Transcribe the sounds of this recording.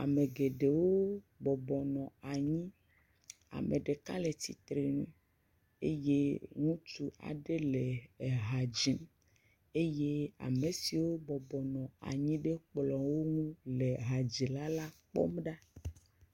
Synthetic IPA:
a̰˨me˨ɡe˨ɖe˨wo˦ | bɔ˨bɔ˨nɔ̃˨a˨ɲĩ˦ | a̰˨me˨ɖe˨ka̰˦le˨t̪i˨t̪ɾe˨nṵ̃˦ | ḛ˦je˦ŋũ˦t͡ʃu˦a̰˨ɖe˦le˨ɦa˨d͡ʒi˨˦m | e˦je˦a̰˨me˨si˨wo˦bɔ˨bɔ˨nɔ̃˨a̰˨ɲĩ˦ɖe˦k͡plɔ˨wo˦ŋũ˦le˨ɦa˨d͡ʒi˨la˦la˦k͡pɔ̰˦mɖa˦

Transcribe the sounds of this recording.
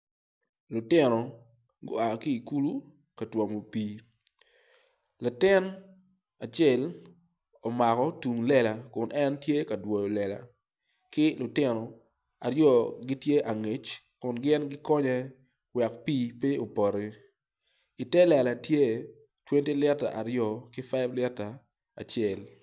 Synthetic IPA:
lʊ˨tɪ˦nɔ˨ | ɡo̰˦a˨ki˦i˨ku˦lu˦ | ka˨twɔ˨mo˨piː˦ | la˨tɪ˦n | a˨t͡ʃe˦˨l | ɔ˨ma˨kɔ˦tu˨ŋlɛ˦˨la˨kʊ˨nʔɛ˦ntje˦ka˨dwo˨jo˨lɛ˨la̰˨ | kɪ˦lʊ˨tɪ˦nɔ˨ | a˨ɾjɔ˦ɡi˦tje˦ʔa˨ŋe˨˦t͡ʃ | kʊ˨nɡɪ˦nɡɪ˦kɔ˦ɲɛ˦ | wɛ˨kpiː˦pi˦o˨pɔ˨ɾi˦ | i˨tɛ˦lɛ˨la˨tje˦ | twe˦nti˦lɛ˦ta̰˨ʔa˨ɾjɔ˦˨kɪ˦fa˦blɛ˦ta˨ | a̰˨t͡ʃɛ˨l

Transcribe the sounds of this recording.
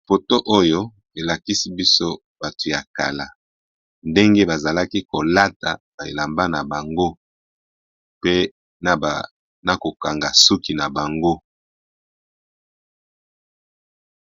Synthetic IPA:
fo˨to˦ʔo˦jo˦ | e˨la˨ki˦si˦bi˦so˦ | b̥a˨to˨ja˨ka̰˨la˨ | nde˦ŋɡe˦ba˨za˨la˦ki˦ko˨la˦ta˨ba˨ḛ˨la˨mba˦na˨ba˨ŋɡo˦ | pe˦˨ | na˨ko˨ka˨ŋɡa˨su˦ki˨na˨ba˨ŋɡo˦

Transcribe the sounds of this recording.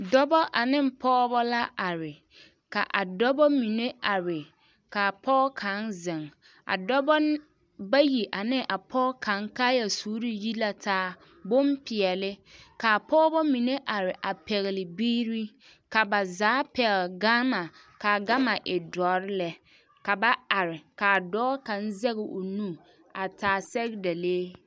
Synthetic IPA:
dɔ˦bɔ˦ʔa˨nɪ˦m˦pɔː˦bɔ˦la˦a˨ɾɪ˨ | ka̰˨ʔa˨dɔ˦bɔ˦mi˨ne˦a˨ɾɪ˨ | ka˨pʰɔː˦kʰa˨˦nzɪ˨ŋ | a̰˨dɔ˦bɔ˦ | ba˦ji˨ʔa˨nɪ˦ŋʔa˨pʰɔː˦kʰã˨˦ŋkaː˦ja˨suː˦ɾi˦ji˦la˨taː˦ | bo˦mpɪ˨ɛ˨lɪ˦ka˨a˨pɔː˦bɔ˦mi˨ne˦ʔa˨ɾɪ˨ʔa˨pɛ˨ɣɪ˨lɪ˨biː˦ɾi˦ | ka˨ba˨zaː˨˦pɛ˨ɣɪ˨lɡaː˦ma˨ | ka˨ɡa˦ma˨ʔɪ˨dɔː˨˦ɾɪ˦lɛ˨ | ka˨ba˦a˨ɾɪ˨ka˨dɔː˦ka˨˦n˦zɛ˦ɣɪ˨ʔʊ˨nu˦˨ | a˨taː˨˦sɛ˦ɣɪ˦da˨leː˦

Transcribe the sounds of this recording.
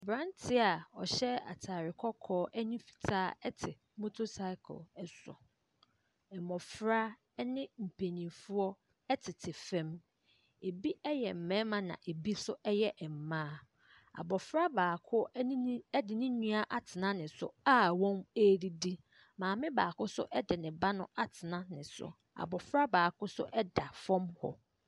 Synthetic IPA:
bɾã˦ntʰɪ˦a˨ɔ˨ɕɛ˦a̰˨tʰaː˨ɾɪ˨kʰɔ˦kʰɔː˦ʔɛ˦nĩ˦fi̥˨tʰaː˦ɛ˦tʰɪ˨ | mo˦tʰo˦sa˦ɪ˦kʰʊ̰˨lɛ˨sʊ̰˨ | ɛ˨mɔ̃˨fɾa˦ | nɪ̃˦m̩˨pʰe˨nĩ˨fu˦ɔ˦ | ɛ˦tʰɪ˨tʰɪ˨fɛ̃˦m | e˨bi˦ɛ˦jɛ˨m̩˨mɛ̃˦mã˨nã̰˨ʔe˨bi˦sʊ˦ʔɛ˦jɛ˦ʔɛ˨m̩˨mãː˦ | a̰˨bɔ˨fɾa˦baː˨kʰʊ˦ɛ˦dɪ˨nɪ̃˦ɲũ˦a˦ʔa˨tʰɪ˨nã˦nɪ̃˨sʊ̰˨a˦wɔ̃˦me˦di˦di˦ | mãː˨mɪ̃˦baː˨kʊ˦sʊ̰˦ʔɛ˦dɪ˨nɪ̃˨ba˦nʊ̃˦a˨tʰɪ˨nã˦nɪ̃˨sʊ̰˨ | a̰˨bɔ˨fɾa˦baː˨kʊ˦sʊ̰˦ʔɛ˦da˨fɔ̃˦mhɔ̰˨

